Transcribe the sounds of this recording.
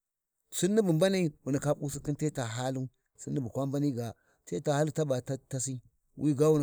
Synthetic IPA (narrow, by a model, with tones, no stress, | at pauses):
su˦nːi˦bu˨mba˦ni˦wu˨ni˨ka˦pu˦si˦ki˦nte˦ta˨ɦa˦lu˦ | si˦nːi˦bu˨kʷa˦mba˦ni˦˨ɡa˨ | te˦ta˨ha˦lu˦ta˦ba˨tta˦si˦ | wʔi˦ɡa˦wu˦n˨